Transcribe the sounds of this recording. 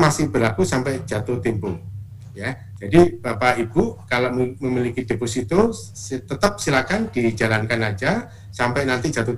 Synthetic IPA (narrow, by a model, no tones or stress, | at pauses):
masɪhb̥əɾlakusampɛʔd̥d͡ʒ̥at̪oht̪impʊ | ja | d͡ʒadib̥apaib̥ukaloʔməmilikid̥epusit̪o | t̪ət̪əp̚silakand̥id͡ʒalankanad͡ʒa | sampɛʔnant̪id͡ʒ̥at̪o